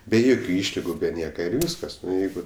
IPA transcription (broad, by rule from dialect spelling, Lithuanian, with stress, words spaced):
bʲɛ ˈjoːkʲʊ ˈiːʃʲlʲɪɡʊ bʲɛ ˈnʲiɛkɐ ɪr ˈʋʲiːskɐs ˈnʊ ˈjɛɪɡʊ